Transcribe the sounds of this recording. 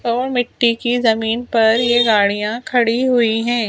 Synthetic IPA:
ɔːɾmɪʈːikizɐmiːnpɐɾjeɡaːɽijãkʰɐɽiɦʊiɦɛ̃ː

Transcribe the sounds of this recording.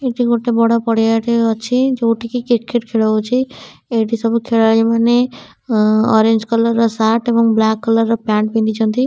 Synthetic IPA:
eʈiɡoʈebɔɽapɔɽjaʈeɔt͡ʃʰid͡ʒoʈʰikikiʈ̚keʈkʰeɭɦot͡ʃʰi | eʈisəbkʰeɭad͡ʒimane | ɔ̰ɾẽnd͡ʒkɔləɾːʌsaʈebɔŋblakːɔləɾːɔpaɳʈ̚pĩnd̪it͡ʃʰɔ̃nt̪ʰi

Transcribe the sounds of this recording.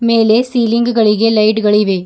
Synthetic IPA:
meːlesiːlɪŋɡɡɐɭɪɣelɐɪʈɡɐɭiʋeː

